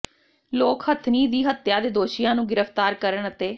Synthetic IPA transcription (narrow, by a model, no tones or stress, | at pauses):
loːkhət̪ʰniːd̪iːɦət̪ːjaːd̪eːd̪oːʃijãːnũːɡɪɾəft̪aːɾkəɾəɳət̪eː